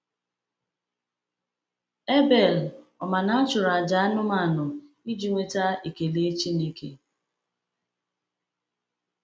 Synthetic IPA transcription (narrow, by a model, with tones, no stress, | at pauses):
e˦be˨lɔ˨ma˨na˦a˦t͡ʃʊ˨ɾa˨d͡ʒa˨a˦nʊ˦ma˦˨nʊ˨ | i˦d͡ʒi˨ŋʷe˦ta˦i˨ke˨le˦t͡ʃi˦ne˦kḛ˦